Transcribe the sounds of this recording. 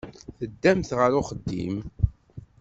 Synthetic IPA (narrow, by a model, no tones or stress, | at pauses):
θəd̪ːæmθʁəɾʊχəd̪ːḭm